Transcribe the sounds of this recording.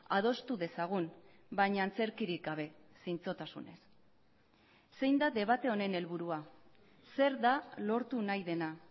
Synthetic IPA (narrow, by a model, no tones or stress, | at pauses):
að̞o̞st̪uðe̞saɣ̞unbaɲaːnt͡se̞ɾkiɾik̚ɡaβ̞e̞sint͡so̞t̪asṵne̞s | se̞jnd̪ad̪e̞β̞at̪e̞o̞ne̞ne̞lβuɾua | se̞ɾðalo̞ɾt̪unajðe̞na